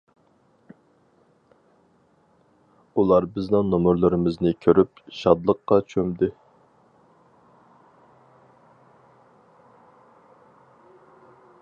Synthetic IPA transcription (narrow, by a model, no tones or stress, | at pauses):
ulˠɑɾbɪznɪŋnomuɾlˠɨɾɨmɪznɪkʲʰøɾypʃɑd̪lˠəqːɑt͡ʃʰømd̪ɪ